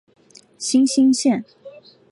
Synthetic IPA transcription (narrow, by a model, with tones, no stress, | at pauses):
ɕi˥ŋɕi˥ŋɕjɛ˥˨n